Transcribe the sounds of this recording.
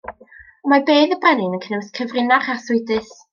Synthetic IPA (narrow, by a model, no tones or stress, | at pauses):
əmabeːðəbɛnɪnənkʰənɛwskʰəvrɪnaχasʊɨdɨs